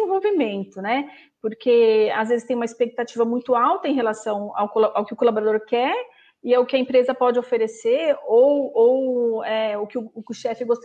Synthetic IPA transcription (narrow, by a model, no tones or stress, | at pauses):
vowvimẽnt̪ʊnɛ | poɾkʰeazvezɪst̪ẽj̃umɐispek̚t̪at͡ʃivɐmũj̃t̪ʊawt̪ɐẽj̃ɦelasɐ̃w̃a̰wkolʔawkɪʊkolaboɾad̪oɾkɛɾ | ɪɛʊkɪɐẽmpɾezɐpɔd͡ʒɪofeɾeseɾowowɛʊkɪʊʊkʊʃɛfɪɡost̪